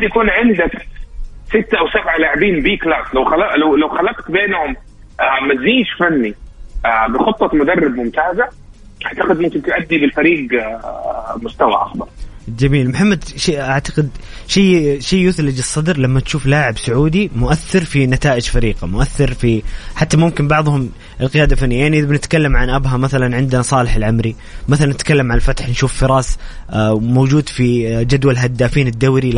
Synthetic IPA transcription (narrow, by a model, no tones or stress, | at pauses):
had̪jakuːnʕɪnd̪ak | sɪt̪ːaʔawsabʕalaːʕɪbiːnbiːklaːslawxalɑlawlawxalːɑqt̪beːnhʊm | amaziːʃfanːiʔabɪxʊt̪ˤːɑmʊd̪ɑrˤːɪbmʊmt̪aːza | ʔaʕt̪aqɪd̪mʊmkɪnt̪ʊʔad̪ːibɪlfaɾiːɡ | mʊst̪awa̰ʔa̰xbɑɾˤd͡ʒamiːlmʊħamːad̪ʃiʔaʕt̪ḁqɪd̪ʃajʃijːjʊθlɪd͡ʒɨsˤːɑd̪ɾlamːat̪ʃuːflaːʕɪbsʊʕuːd̪imʊʔaθːɪɾfinat̪aːʔɪd͡ʒfaɾiːqamʊʔaθːɪɾfiħat̪ːamʊmkɪnbɑʕðˤhʊm | ʔɪlqɪjaːd̪alfanːijajaʕniʔɪðabɪnɪt̪kalːamʕanʔabɦamaθalanʕɪnd̪nasˤɑːlɪħɪlʕamɾi | maθalanːɪt̪kalːamʕanlfat̪ħnʃuːfːɪɾˤɑːs | mowd͡ʒuːd̪fid͡ʒad̪walɦad̪ːaːfiːnɪd̪ːawɾi